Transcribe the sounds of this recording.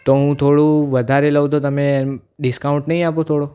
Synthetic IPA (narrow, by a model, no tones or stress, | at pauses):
t̪oɦũt̪ʰoɽũʋəd̪ʱaɾeləʋt̪ot̪əmẽɖɪskaʊ̃ɳʈnəɦĩapot̪ʰoɽo